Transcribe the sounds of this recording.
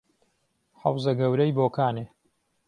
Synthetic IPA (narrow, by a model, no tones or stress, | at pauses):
ħɐ̰wzɐɡɐwɾɐjboːkaːneː